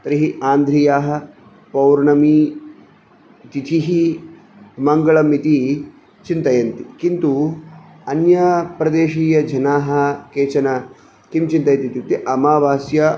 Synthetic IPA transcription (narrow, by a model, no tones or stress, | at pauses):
t̪ɾiɦiʔaːnd̪ʱɾijaːɦɐ̆ | pɐwɾnɐmi | t̪it̪ʰiɦi | mɐŋɡɐɭɐmit̪i | t͡ʃint̪ɐjɐnt̪ikint̪u | ɐnjɐpɾɐd̪eːʃiːjɐd͡ʒɐnaːɦɐ̆keːt͡ʃɐnɐ | k̪imt͡ʃint̪ɐjɐt̪it̪jut̪iʔɐmaːʋaːsjɐ